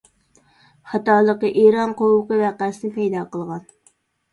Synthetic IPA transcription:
χɑt̪ɑːlˠəqəʔeɾɑnqowʊqəvæqæsɪnɪpʰɛjd̪ɑːqəlˠʁɑn

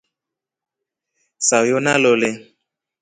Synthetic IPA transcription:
sajonalole

